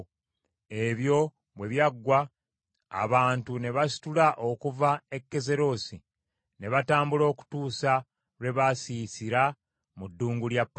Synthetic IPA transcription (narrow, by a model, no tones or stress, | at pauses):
e̞βjo̞ | βwe̞βjaɡːwa̰ː | βaːntune̞βasi̥tulaʔo̞kuvae̞kːe̞ze̞ɾo̞ːsi | ne̞βataːmbulo̞ːku̥tuːsa | ɾe̞βasisiɾa | mudːuːŋɡuljapː